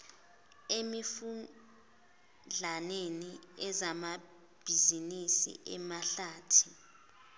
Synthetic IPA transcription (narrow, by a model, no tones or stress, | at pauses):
emifu | d͡ɮʱaneniɛzama | b̥ʱizinisḭʔɛmaɬaːtʰi̥